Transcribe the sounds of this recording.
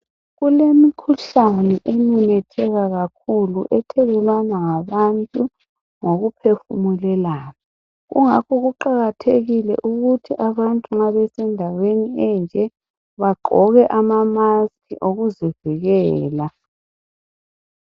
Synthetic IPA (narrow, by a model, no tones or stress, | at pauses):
ɣulemikʰuɬanɛʔenunɛtʰɛɣaɣakʰuluʔɛtʰɛɣɛlwanaŋaβantʼu | ŋoɣupʰefumulɛlaːna | ɣṵŋakʰɔɣuǃaɣatʰeɣilɛ̰ʔuɣutʰiʔaβantʼuŋaβɛsɛndʱaweniɛnd͡ʒʱɛ | βaɡ͡ǃʱɔɣɛʔamamaskʰʼiʔoɣuziviɣɛːla